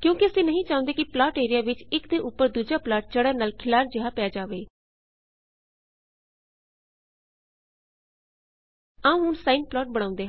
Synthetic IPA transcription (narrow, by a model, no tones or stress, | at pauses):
kjõːkɪəsĩːnəɦĩːt͡ʃãːʊ̃nd̪eːkɪplaːʈeːɾɪjaːʋɪt͡ʃɪkd̪eːʔʊpːəɾd̪uːd͡ʒaːplaːʈ̚t͡ʃəɽəːɾnaːlkʰɪlaːɾd͡ʒɪɦaːpɛaːd͡ʒaːʋeː | aũɦʊnsaːɪnplaːʈ̚bəɽ̃ãːʊ̃nd̪eː